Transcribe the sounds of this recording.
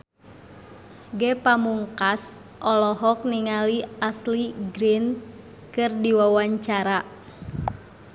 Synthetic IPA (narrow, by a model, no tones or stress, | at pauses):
ɡɛpamuŋkas | ʔɔlɔɦɔk̚niŋaliasliɡɾin | kɨrdiwawaɲt͡ʃaɾa